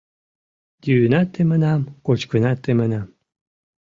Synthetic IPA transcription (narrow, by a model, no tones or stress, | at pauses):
d̪ʲyːnat̪ʰːemənamkot͡ʃkʰɨnat̪ːemənam